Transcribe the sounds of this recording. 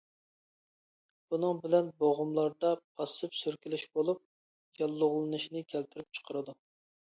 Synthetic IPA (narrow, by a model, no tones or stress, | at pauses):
b̥unɨŋbɪlɛnboʁʊmlˠɑɾd̪ɑpʰɑsɨpsyɾkʲilɪʃbolˠup̚ | jɑlˠːʊʁlˠɨnɨʃinɪkʲʰɛlt̪ʰɪɾyp̚t͡ʃʰə̥qʰəɾɨd̪u